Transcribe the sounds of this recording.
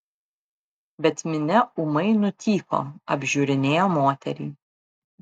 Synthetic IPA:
bʲɛt̪mʲɪnʲɛʊmɐɪnʊt̪ʲiːko̰ːɐbʲʒʲuːɾʲɪnʲeːjoːmoːt̪ʲɛ̰ɾʲḭː

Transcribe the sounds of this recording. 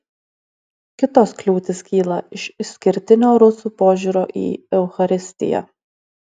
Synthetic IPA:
kʲɪt̪ɔsklʲuːt̪ʲɪskʲiːlˠɐɪʃɪsʲkʲɪɾʲt̪ʲɪnʲoːɾʊsuːpoːʒʲuːɾoːʔḭːɛʊxɐɾʲɪsʲt̪ʲɪ̰jɛ̰

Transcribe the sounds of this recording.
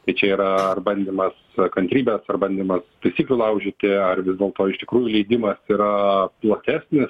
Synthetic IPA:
t̪ɐɪt͡ʃʲɛiːɾɐɐrbɐnʲd̪ʲiːmɐskɐnʲt̪ʲɾʲiːbʲɛsɐrbɐnʲd̪ʲiːmɐst̪ɐɪsʲiːklʲulˠɐʊʒʲɪt̪ʲɪɐrʋʲɪzd̪ʲeːlˠt̪oːɪʃʲt̪ʲɪkɾuːjʊlʲɛɪd̪ʲɪmɐsiɾɐplˠɐt̪ʲæːsʲnʲɪs

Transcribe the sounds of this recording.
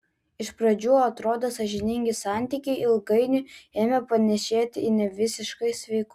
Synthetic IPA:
ɪʃpɾɐd͡ʒʲuːɐt̪ɾoːd̪osɐʒʲɪnʲɪŋʲɡʲɪsɑˑnʲt̪ʲikʲɛɪʔɪlˠɡɐɪnʲʊeːmʲɛpɐnʲɛʃʲeːt̪ʲɪɪnʲɛʋʲɪsʲɪʃkɐɪsʲʋʲɛɪkʊ

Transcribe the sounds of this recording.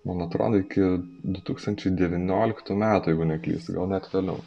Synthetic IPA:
mɐnɐt̪ɾo̰ːd̪oɪkʲɪd̪ʊt̪uːkst̪ɐnʲt͡ʃʲɛɪd̪ʲɛʋʲɪnʲoːlʲɪkt̪uːmʲæːt̪ʊjɛɪɡʊnʲɛklʲḭːst̪ɡɐlˠnʲɛt̪ʋʲɛlʲɛ̰ʊ

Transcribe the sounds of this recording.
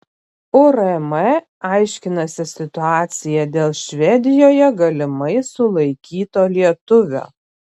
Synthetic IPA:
ʊɾɛmɛ | ɑɪʃʲkʲɪnɐsʲɪsʲɪt̪ʊaːt̪sʲɪjɛd̪ʲeːlˠʃʲʋʲɛd̪ʲɪjoːjɛɡɐlʲɪmɐɪsʊlˠɐɪkʲiːt̪oːlʲiɛt̪ʊʋʲo̰ː

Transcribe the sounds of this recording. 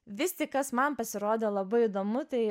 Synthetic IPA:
ʋʲɪsʲt̪ʲɪkkɐsmɐnpɐsʲɪɾoːd̪ʲelˠɐbɐɪid̪oːmʊt̪ɐɪ

